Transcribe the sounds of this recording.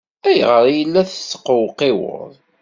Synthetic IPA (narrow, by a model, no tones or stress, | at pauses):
æjʁəɾˤjəlːæθət͡sːə̥qːəwqɪwə̰ðˤ